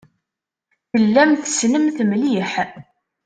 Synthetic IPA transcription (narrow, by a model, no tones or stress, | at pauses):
θəlːæmθəsnəmθmliħ